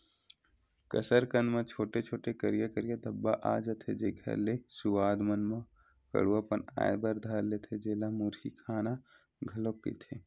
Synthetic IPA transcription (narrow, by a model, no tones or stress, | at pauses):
kəsəɾkə̃nd̪mãt͡ʃʰoːʈet͡ʃʰoːʈekəɾɪjakəɾijad̪ɐbːaʔa̰ːd͡ʒat̪ʰed͡ʒeːkʰə̰ɾlesʊʋaːd̪mənmã | kɐ̰ɽuapəna̰ːḛbɐɾd̪ʱaːɾlet̪ʰed͡ʒeːlamuɾikʰaːna | ɡʱɐlokːḭt̪ʰeː